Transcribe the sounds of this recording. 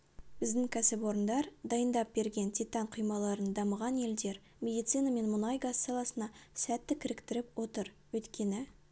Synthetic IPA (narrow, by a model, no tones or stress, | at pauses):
b̥ɪzd̪ɪŋkʲʰæsɪpwo̞ɾənd̪ɑɾd̪ɑjənd̪ɑp̚be̞ɾɡʲe̞nt̪ʰʲijt̪ɑɴqʰujmɑlˠɑɾənd̪ɑməʁɑnje̞ld̪e̞ɾ | mʲe̞d̪ijt̪sɨjnɑme̞nmʊnɑjɡɑsːɑlˠɑsənɑsæt̪ːɪkʲʰɪɾɪkt̪ɪɾɪpwo̞t̪əɾwɵjt̪kʲe̞nɪ